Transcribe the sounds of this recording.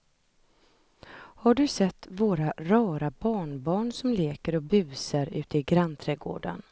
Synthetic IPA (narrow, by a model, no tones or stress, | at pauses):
haɖɵsɛt̪ːvoːɾaɾɑːɾabɑːɳbɑːɳsɔmleːkəɾɔbʉ̟ːsaɾʉ̟ːt̪əɪɡɾant̪ʰɾɛːɡo̰ːɖa̰n